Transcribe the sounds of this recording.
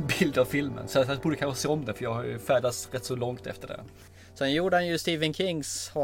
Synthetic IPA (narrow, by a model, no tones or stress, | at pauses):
bɪld̪ɑvfɪlmə̰nsat̪habuːɖəkʰanɧəseːɔmd̪ɛfœɾjɑːɡhaɾjɵ̰fæːɖ̪at̪sɾɛt̪ːsɔlɔŋt̪ʰɛ̰ft̪əɖɛ̰ | sɔɛnjuːɖəhanjɵst̪iːvənkʰɪŋshɑ